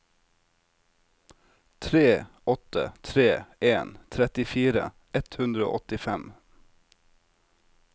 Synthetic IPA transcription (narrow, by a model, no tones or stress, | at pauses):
t̪ʰɾeːʔɔt̪ə̰t̪ʰɾeːʔeːnt̪ʰɾɛt̪ɪfiːɾə̰ | ʔɛt̪hʉnd̪ɾəo̰ːʔɔt̪ɪfɛm